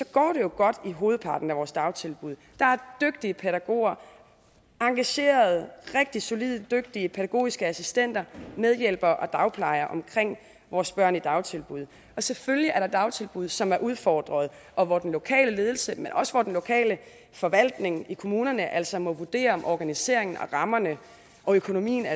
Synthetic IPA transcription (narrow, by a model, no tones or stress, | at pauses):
sɒ̽ɡ̥ɒ̰ːɾ̥e̝jo̝ɡ̥ɒ̽d̥iɦo̝ːð̩ˠpʰɑ̈ːd̥n̩æʋɒːsd̥ɑ̈ʊt͡sʰe̝lb̥uðˠd̥ɑ̈æɐd̥øɡ̥̚d̥iəpʰeɾæɡ̥o̝̰ːɐ | ɑ̈ŋɡ̥æɕe̝̰ːɐð̞ˠʁeɡ̥̚d̥i̥so̝liðˠd̥øɡ̥̚d̥iəpʰeɾæɡ̥o̝̰ːisɡ̥əæsisd̥en̰d̥ɐmeð̞ˠjel̰b̥ɐʔɒ̽d̥ɑ̈ʊpʰlɑ̈ɪɐʔɒ̽mkʰʁeŋ̰ | ʋɒːsb̥ɶɐ̰nid̥ɑ̈ʊt͡sʰe̝lb̥uð̞̰ˠ | ʔɒ̽seføljiæɐɾ̥ɑ̈d̥ɑ̈ʊt͡sʰe̝lb̥uð̞̰ˠsɒ̽mæɐʔuð̞ˠfɒ̰ːd̥ʁɐð̞ˠ | ɒ̽ʋɒd̥enlo̝kʰɛ̰ːləle̝ːð̞ˠl̩səmenʔɒ̽səʋɒd̥enlo̝kʰɛ̰ːlə | fɒ̽ʋæl̰d̥ne̝ŋikʰo̝muːnɐnəʔæl̰sɒ̽mɒ̽ʋuɐd̥e̝̰ːɐɒ̽mʔɒɡ̥ænise̝̰ɐe̝ŋn̩ɒ̰̽ʁɑ̈mɐnə | ʔɒ̽økʰo̝no̝mḭːn̩æ